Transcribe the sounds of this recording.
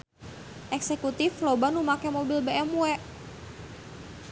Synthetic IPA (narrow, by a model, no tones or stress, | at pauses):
ʔɛksɛkut̪iflobanumakɛmobilbɛʔɛmuɛʔ